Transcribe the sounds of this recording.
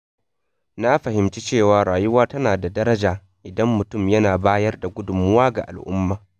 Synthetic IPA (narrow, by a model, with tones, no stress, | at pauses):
na˦ɸɐ˨hɪ˨mt͡ʃi˦t͡ʃeː˦˨waː˨˦ɽaː˨jʊ˦waː˦tɐ˦naː˨da˨dɐ˦ɾɐ˦d͡ʒaː˨ | ʔɪ˨dɐ˦mːʊ˨tʊ˦˨mjɐ˦naː˨baː˦jɐ˦rda˨ɡʷʊ˦dʊ˨mʊ˦waː˦ɡa̰˨ʔa̰˨lʔʊ̰˦mːaː˨